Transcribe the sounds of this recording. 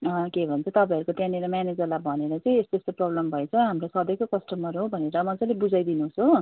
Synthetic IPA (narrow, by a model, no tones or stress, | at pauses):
ʌkebʱʌnt͡sʰʌt̪ʌpãĩʌɾukot̪janeɾʌmjaned͡zʌrlabʱʌneɾʌt͡sʌĩest̪est̪oprʌblʌmbʱʌjt͡sʰʌɦamrosʌd̪ʌkokʌsʈʌmʌɾuɦobʱʌneɾʌmʌt͡sʌlebud͡zajd̪inusʰo